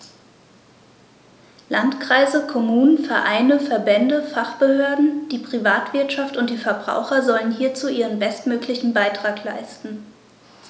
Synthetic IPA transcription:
lantkʁ̥aɪzəkʰɔmuːnənfɛɐʔaɪnəfɛɐbɛndəfaχb̥əhøːɐdn̩d̥iːpʁ̥ivaːtv̥ɪɐtʃaftʊnt̚d̥iːfɛɐbʁa̰ʊxɐzɔlənɦiːɐt͡suːʔiːʁ̞ənbɛstmøːklɪçn̩baɪtʁ̥aːkla̰ɪstn̩

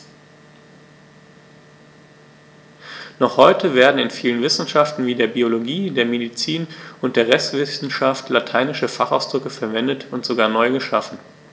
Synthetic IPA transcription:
nɔχhɔʏtʰəveːɐdn̩ɪnfiːlənvɪsn̩ʃaftn̩viːdeːɐbioloɡiːdeːɐmedit͡siːnʔʊnt̚d̥eːɐʁɛstv̥ɪsn̩ʃaftlatʰaɪnɪʃəfaχa̰ʊsd̥ʁʏkəfɛɐvɛndətʊntz̥oɡaːɐnɔʏɡəʃafn̩

